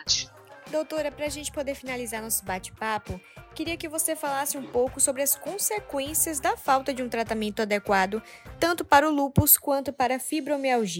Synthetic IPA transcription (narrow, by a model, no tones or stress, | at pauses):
t͡ʃ | d̪owt̪oɾɐpɾɐːʒẽnt͡ʃɪ̥pod̪eɾfinalizaɾnɔsʊbat͡ʃɪ̥papʊkɪɾiɐkɪvosefalasɪũpowkʊsobɾɪɐskõsekwẽsiɐzd̪ɐfawt̪ɐd͡ʒɪũt̪ɾat̪amẽnt̪ʊad̪ekwad̪ʊt̪ɐ̃nt̪ʊpaɾʊlupʊskwɐ̃nt̪ʊpaɾɐfibɾomeawʒi